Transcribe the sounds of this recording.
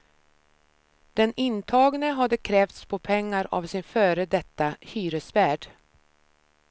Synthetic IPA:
d̪̥ɛnɪnt̪ʰɑːɡnəɦad̪ːəkʰɾɛːft̪spʰɔpʰɛŋːaɾa̰vsɪnfœːɾəd̪ɛt̪ːahyːɾəsvæːɖ

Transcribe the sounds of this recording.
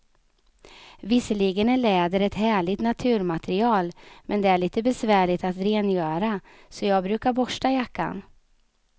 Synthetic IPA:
vɪsːəliːɡənæɭɛːd̪əɾɛt̪hæːɭɪɡt̪nat̪ʰʉ̟ːɾmat̪ʰɛɾɪɑːlmʔɛnd̪ɛæɭiːt̪əbɛsvæːɭɪt̪at̪ɾeːnjœːɾa | sɔjɑːɡ̚bɾʉ̟ːkaɾbɔʂʈajakːa̰n

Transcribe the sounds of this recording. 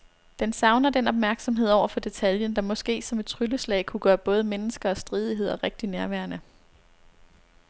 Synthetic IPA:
d̥ensɑ̈ʊnɐd̥enɒ̽b̥̚mæɐɡ̥sɒ̽mɦe̝ð̞̰ˠɒʊ̰ɐfɒ̽d̥e̝t͡sʰæljənd̥ɑ̈mɒ̽sɡ̥e̝̰ːsɒ̽med̥̚t͡sʰʁyləslɛ̰ːɪkʰuɡ̥ɶːɐb̥ɔ̽ːð̞̩ˠəmenəsɡ̥ɐɒ̽sd̥ʁiːð̞ˠiɦe̝ð̰ˠɒʁeɡ̥̚d̥inæɐʋæɐnə

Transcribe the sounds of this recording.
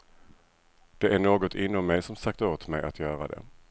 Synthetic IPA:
d̪̥ɛʔæɳoːɡɔt̪ʰɪnːɔmːɛjsɔmsak̚t̪oːt̪mɛ̰jʔa̰t̪ʰjœːɾa̰d̪ɛ̰

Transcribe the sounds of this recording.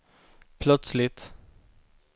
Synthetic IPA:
pʰlœt̪slɪt̪

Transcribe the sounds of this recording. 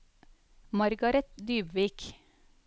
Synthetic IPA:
mɑɾɡɑɾɛt̪d̪yːbʋiːk

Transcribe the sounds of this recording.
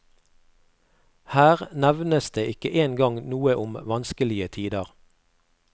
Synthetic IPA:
hæːʁnæʋnəsd̪eːʔɪkəʔeːnɡɑŋnuːəʔʊmʋɑnskəlɪət̪ʰiːd̪əʁ

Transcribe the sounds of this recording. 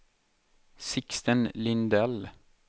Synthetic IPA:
sɪkst̪ənlɪnd̪ɛl

